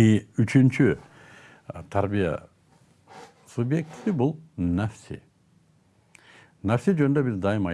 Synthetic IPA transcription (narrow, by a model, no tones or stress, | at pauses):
iyt͡ʃʰynt͡ʃʰy | t̪ʰaɾbija̰ | subjek̚t̪ʰi̥t̪ibulˠnæfsḭ | næfsid͡ʒønnd̪øbizd̪ɑjimɑ